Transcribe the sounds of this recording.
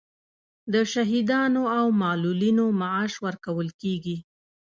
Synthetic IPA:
d̪əʃaɦid̪ɑnoawmɑlulinomaaʃwəɾkawəlkeɡi

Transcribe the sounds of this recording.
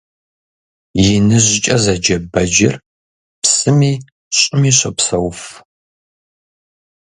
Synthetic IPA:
jɪnɨʑɪt͡ʃʼɐzɐd͡ʒɐbɐd͡ʒɪ̰r | psɨmiː | ɕʼɪmiːɕɐpsɐwf

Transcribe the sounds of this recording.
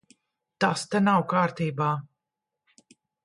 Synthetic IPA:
t̪ast̪ɛnawkaːɾt̪iːbaː

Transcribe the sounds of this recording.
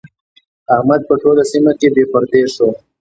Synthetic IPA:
ahmad̪̚pəʈolasimakebepəɾd̪eʃo

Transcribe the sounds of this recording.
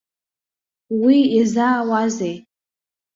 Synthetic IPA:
wiizaːwazej

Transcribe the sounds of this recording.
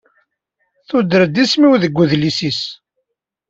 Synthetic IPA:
θud̪əɾd̪ismiwðəɡʷːuðlisis

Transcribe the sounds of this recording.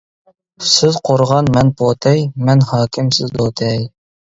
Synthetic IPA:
sɪzqʰoɾʁɑnmɛnpʰot̪ʰɛjmɛnhɑːkʲʰɪmsɪzd̪ot̪ʰɛj

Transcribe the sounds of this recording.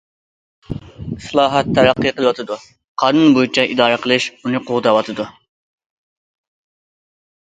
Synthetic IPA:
slˠɑːɦɑt̪ʰːɛɾɑqːiqəlˠɨwɑt̪ʰɨd̪u | qʰɑːnunbojit͡ʃʰɑʔid̪ɑːɾəqʰəlˠɨʃunɨqʰoʁd̪ɑwɑt̪ʰɨd̪u

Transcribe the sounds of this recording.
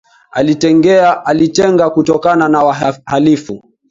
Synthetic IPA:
alitɛŋɡɛaalitɛŋɡakutɔkananawahalifu

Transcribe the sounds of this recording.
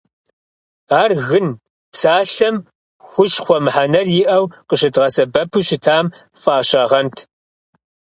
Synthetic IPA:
aːrɣɨn | psaːɬɐm | xʷʊʃχʷɔmħanɐrjɪʔɐwqəʃɪdʁɐsɐbɐpʰuɕɪtʰaːm | faːɕɐʁɐntʰ

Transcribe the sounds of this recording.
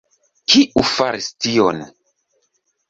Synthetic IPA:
kʰiʔufaɾistion

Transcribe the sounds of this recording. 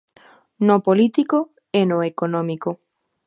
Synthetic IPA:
nopolit̪iko | enoekonɔ̃miko

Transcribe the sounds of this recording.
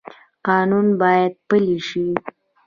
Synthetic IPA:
qɑnunbɑjad̪̚pəliʃi

